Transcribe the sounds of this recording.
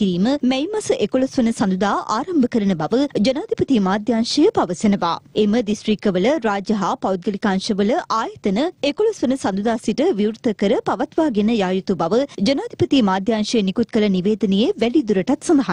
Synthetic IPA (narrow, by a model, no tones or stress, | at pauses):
iɾiːməmɛjmɐsəʔekolosʋənəsɐnd̪ud̪aːʔa̰ːɾɐmbəkəɾɐnəbɐʋəd͡ʒɐnaːd̪ʱipɐt̪imaːd̪ʱjaːnʃɐjəpaʋəsenɐʋa̰ːeməɖisʈɾikːəʋələɾaːd͡ʒɐɦaːpawt̪̚ɡɐlikaːnʃəʋələʔaːjɐt̪ənəekolosʋənəsɐnd̪ud̪aːsiʈəʋiwɾt̪əkəɾəpɐʋɐt̪ʋaːɡenəjaːjut̪ubɐʋəd͡ʒɐnaːd̪ʱipɐt̪imaːd̪ʱjaːnʃɐjənikut̪̚kəlɐniʋeːd̪ɐnejeʋɛlid̪uɾɐʈɐt̪sɐnd̪ɐɦa